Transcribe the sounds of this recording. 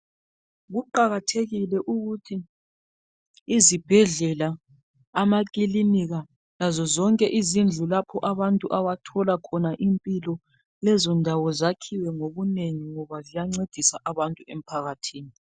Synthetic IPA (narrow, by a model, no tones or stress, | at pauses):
ɣuǃaɣatʰeɣilɛʔuɣutʰi | zib̥ʱɛɮɛlaː | mak̬ʼiliniɣa | lazɔzɔŋkʼɛʔizind͡ɮʱulapʰɔʔaβantʼuʔawatʰɔlakʰɔnaʔimpʼilɔ | lɛzɔndʱawɔzakʰiwɛŋoβuneŋiŋɔβazijaŋ͡ǀed̥ʱisaʔaβantʼuem̩pʰaɣatʰiːni